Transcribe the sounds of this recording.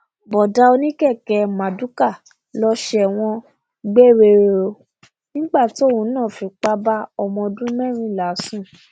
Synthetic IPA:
bɔ˨da˧˦o˧nĩ˦kɛ˦˨kɛ˧mã˨du˦ka˦˨ | lɔ˧ʃɛ˨w̃ɔ̃˧ | ɡ͡be˦˨ɾe˧˨ɾo˧ | nĩ˦ɡ͡ba˦˨ti˨˦o˦˨wũ˧˦nãː˦˨fĩ˧k͡pa˦ba˦ɔ˧mɔ̃˧dũ˦mɛ̃˦˨ɾ̃ĩ˦˨la˨˦sũ˦˨

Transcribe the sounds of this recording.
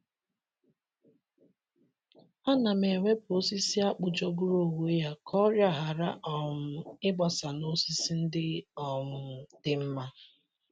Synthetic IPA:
ɔ˦na˨me˨ŋʷe˦pʊ˨o˦si˦si˦a˦k͡pʊ˨d͡ʒɔ˦ɡʊ˦ɾo˨we˨˦ja˦kʰɔ˦ɾja˦˨ɦa˨ɾa˦ʔɔ˨m̩˨ɪ˦ɡ͡ba˨sa˨no˦si˦si˦n̩˦dɪ˦ɔ˨mʊ˨dɪ˦m̩˦ma˦

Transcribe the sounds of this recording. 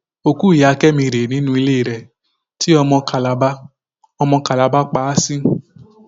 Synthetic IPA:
o˧ku˦˨ja˧kɛ˦mĩ˧ɾe˨nĩ˨˦nũ˧i˧le˦i˨ɾɛ˧˨ | ti˦ɔ˧mɔ̃˧ka˨la˨ba˦ | ɔ˧mɔ̃˧ka˨la˨˧˦ba˦k͡pa˨˦a˦sĩ˦

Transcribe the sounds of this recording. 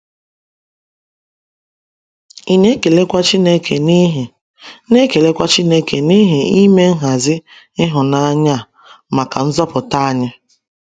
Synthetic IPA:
i˨ne˦ke˨le˦kʷa˦t͡ʃi˦ne˦kʰe˨n˦ɦe˨ | ne˦ke˨le˦kʷa˦t͡ʃi˦ne˦ke˨ni˦ɦe˨i˦me˦ŋ̩˦ɦa˨zɪ˦ | ɪ˦ɦʊ˨na˦ɲa˦a˨ | ma˨ka˨n̩˦zɔ˦pʊ˨ta˦a˨ɲɪ˦

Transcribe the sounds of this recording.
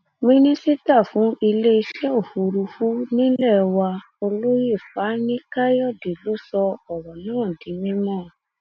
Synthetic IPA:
mĩ˦nĩ˦si˦ta˦˨fũ˨˦i˧le˦i˧ʃɛ˦o˦˨fu˨˧ɾu˧fu˦nĩ˦lɛ˦˨wa˧ | o˧lo˦je˦˨fa˨˦nĩ˦ka˦jɔ˦˨de˨lo˨˦sɔ˧ɔ˨wɔ˨nã˦ã˦˨di˨˦mĩ˦mɔ̃˦˨

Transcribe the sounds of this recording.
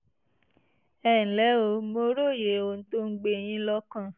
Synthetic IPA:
ɛ˦˨n̩˨lɛ˨˦o˧˦mo˧ɾo˦˨je˨˦o˧˨n̩˦to˦ŋ̩˦ɡ͡be˧˦˨j̃ĩ˦lɔ˧˦kã˦˨

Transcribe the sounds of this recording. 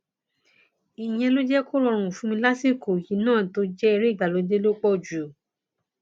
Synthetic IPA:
i˨j̃ɛ̃˧lõ˦d͡ʒɛ˦ko˦ɾɔ˧ɾ̃ũ˨fũ˧˦mĩ˧la˦si˦˨ko˨ji˨˦nãː˦˨to˧˦d͡ʒɛ˦ɛ˧ɾe˦i˦˨ɡ͡ba˨lo˨˧d͡ʒe˦lo˦k͡pɔ˦˨d͡ʒu˨

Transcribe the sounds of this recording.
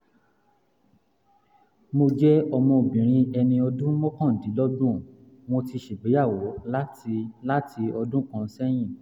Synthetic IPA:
mo˧d͡ʒɛ˦ɔ˧mɔ̃˧o˨bĩ˨ɾ̃ĩ˧ɛ˧nĩ˧ɔ˧dũ˦mɔ̃˦kɔ̃˦˨di˨˦lɔ˦dũ˦ | w̃ɔ̃˧ti˧ʃe˨ɡ͡be˨˦ja˦˨wo˨˦la˦ti˧la˦tʰi˧ɔ˧dũ˦kã˦˧˦sɛ˦j̃ĩ˦˨

